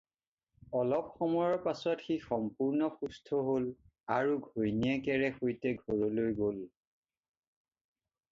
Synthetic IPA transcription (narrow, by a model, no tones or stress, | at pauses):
ɔlɔp̚xɔmɔjɔɹpasɔtxixɔmpuɹnɔxustʰɔɦol | aɹuɡʱojnijɛkɛɹɛxojtɛɡʱoɹɔlojɡol